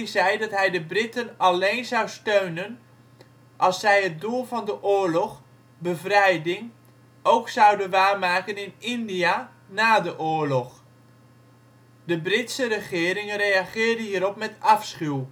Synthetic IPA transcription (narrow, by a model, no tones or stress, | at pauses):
izɛjdɑtɦɛjdəbrɪtənɑleːnzɑwstøɥnən | ʔɑlˠsːɛjɦət̚dulˠvɑndəʔʊːɹlɔχ | bəvrɛjdɪŋ | owksʌwdənʋaːrmaːkənɪnɪndija | naːdəʔʊːɹlɔχ | dəbrɪtsərəχɪːɾɪŋərejaχɪːrdəɦiːəɾɔp̚mɛtɑfsχyw